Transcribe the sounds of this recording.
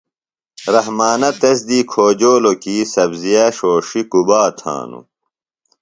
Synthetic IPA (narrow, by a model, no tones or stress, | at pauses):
ɾɐɦmaːnɐt̪ɐsd̪iːkʰoːd͡ʑoːlokiːsɐbzijaɕoːʂikubaːt̪ʰã̰ːnṵ